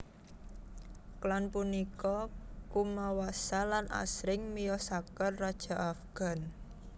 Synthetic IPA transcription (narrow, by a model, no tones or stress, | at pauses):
klanpunikɔkumawasalanʔa̰sɾɪŋmijɔsakərːad̥ʒ̥a̤ʔafɡ̥a̤n